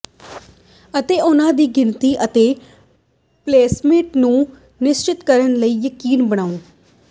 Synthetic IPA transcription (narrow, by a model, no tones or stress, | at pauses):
ət̪eːʔʊnãːd̪iːɡɪnt̪iːʔət̪eː | pleːsmɪʈnũː | nɪst͡ʃɪt̪kəɾənləiːjəkiːnbəɽ̃aːʊn